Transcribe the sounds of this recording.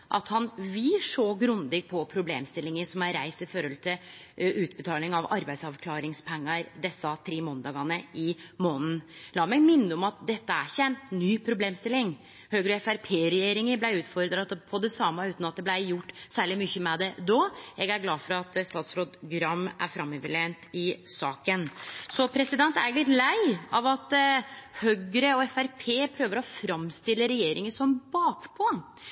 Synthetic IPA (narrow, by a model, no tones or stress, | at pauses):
ʔɑ̰t̪hɑnʋɪlʂoːɡɾʉnd̪ɪɡpʰɔpʰɾʊblḛːmst̪ɪlːɪŋəsɔmæɾɾæɪst̪ɪføːɾɔlt̪ʰɪ | ʔʉːt̪̚bət̪ʰɑːlɪŋɑʋɑɾbæɪsɑʋkʰlɑːɾɪŋspʰɛŋːɑɾd̪ɛsːɑt̪ʰɾeːmoːnd̪ɑːɡɑnəɪmoːnn̩lɑːmɛɡ̪mɪnːəɔmɑt̪̚d̪ɛt̪ːəæçæɪnnyːpʰɾʊbleːmst̪ɪlːɪŋ | høːɡɾɛfæɾpʰeːɾɛjeːɾɪŋəblæɪʉːt̪fɔɾd̪ɾɑt̪pʰɔd̪ɛsɑmːɑʉːt̪nɑt̪̚d̪ɛblæɪjʊʈːsæːɭɪmʏçːəmɛd̪ɛd̪ɔɛɡæɾɡlɑːd̪fɔɾɑt̪st̪ɑːt̪sɾoːd̪ɡɾɑmʔæ̰ɾfɾɑmːœʋəɭeːnt̪ɪsɑ̰ːkənsɔpʰɾɛsɪd̪ɛnt̪æɾɪɡlɪt̪læɪɑʋɑt̪hœɡɾəɔɛfæɾpʰeːpʰɾøːʋəɾɔfɾɑmst̪ɪlːəɾɛjeːɾɪŋəsɔmbɑːkpʰɔ